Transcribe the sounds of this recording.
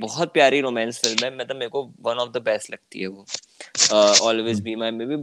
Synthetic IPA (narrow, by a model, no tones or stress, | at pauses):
bɔɦɔt̪̚pjaːɾiɾoːmɛ̃ːnsfɪlmɦɛ̃mɛ̃t̪omeːkoʋɐ̃nɔːfd̪əbɛːsʈlɐɡ̚t̪ḭɦɛʋoː | əɔːlʋɪːzbiːmaːɾimẽbʱi